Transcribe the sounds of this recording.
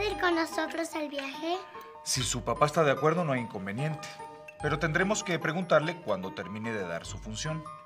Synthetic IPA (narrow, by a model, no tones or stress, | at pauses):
ðiɾkonːosot̪ɾosalβjaxe | sisupapaest̪aðeakwe̞ɾðo̞noeiŋko̞mbe̞nje̞nt̪e̥ | pe̞ɾo̞t̪e̞nd̪ɾe̞mo̞ske̞pɾe̞ɣunt̪aɾle̞kwand̪o̞t̪e̞ɾmĩne̞ðeða̰ɾsufunsjo̞n